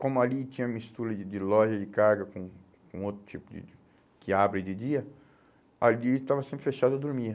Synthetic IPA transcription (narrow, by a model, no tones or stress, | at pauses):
kõmʊalit͡ʃĩɲɐ̃mist̪uɾɐɪd͡ʒɪlɔʒɐd͡ʒɪkaɾɡɐkõ | kõot̪ɾʊ̥t͡ʃipʊd͡ʒɪ̰ | kɪabɾed͡ʒɪd͡ʒiɐ | alit̪avɐsẽmpɾɪfeʃad̪ʊɐd̪oɾmi